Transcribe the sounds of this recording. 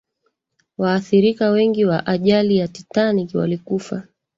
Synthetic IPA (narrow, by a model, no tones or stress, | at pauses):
waːθiɾikawɛŋɡiwaʔaʄalijatitanikiwa̰likufa